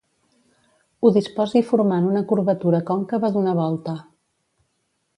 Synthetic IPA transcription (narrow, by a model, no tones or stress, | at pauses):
uðispɔzifuɾmanunəkuɾβət̪uɾəkɔŋkəβəðunəβɔlˠt̪ə